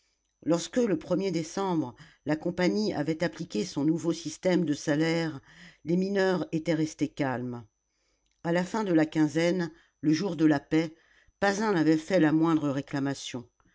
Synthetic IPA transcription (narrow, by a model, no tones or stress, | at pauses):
lɔʁskələpχəmjed̪esɑ̃bʁə | lakɔ̃paɲia̰vɛt̪aplikʲesɔ̃nuvosist̪ɛmd̪əsalɛʁleminœʁet̪ɛʁɛst̪ekalm | alafɛ̃d̪əlakʲɛ̃zɛn | ləʒuʁd̪əlapɛ | pazɛ̃navɛfɛlamwɛ̃d̪ʁəʁeklamasjɔ̃